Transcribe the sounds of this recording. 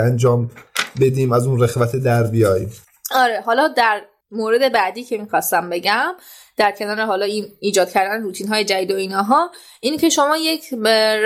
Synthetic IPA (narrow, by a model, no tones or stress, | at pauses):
ænd͡ʒɒːmbe̞d̪iːmæzuːnɾeɣvæt̪ʰed̪æɾbijɒːjiːm | ɒːɾeɦɒːlɒːd̪æɾ | moːɾe̞d̪e̞bæd̪iːcʰe̞miːxɒst̪æmbe̞ɟæm | d̪̥æɾcʰe̞nɒːɾeɦɒːlɒːimiːd͡ʒɒːd̪̥̚cʰæɾd̪æneɾuːt̪ʰiːnɦɒːje̞d͡ʒæd̪iːd̪oiːnɒːɦɒː | iːncʰe̞ʃo̞mɒːjecʰ